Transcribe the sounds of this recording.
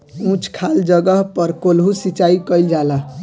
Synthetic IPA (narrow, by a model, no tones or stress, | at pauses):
ũt͡ʃʰkʰald͡ʒəɡəɦpəɾkolɦusit͡ʃaikəjld͡ʒalaɦ